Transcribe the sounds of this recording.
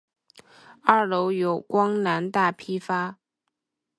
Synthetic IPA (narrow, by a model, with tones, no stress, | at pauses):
a˥˩lo˧˥ʊjo˨˩ʊkwɑ˥ŋna˧˥nt̪a˥˩pʰi˥fa˥